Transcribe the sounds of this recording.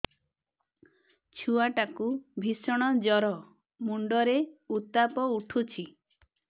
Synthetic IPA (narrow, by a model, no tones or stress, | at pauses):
t͡ʃʰuaʈakubʱisɔɽ̃ɔd͡ʒɔɾɔ | muɳɖɔɾeut̪apɔuʈʰut͡ʃʰi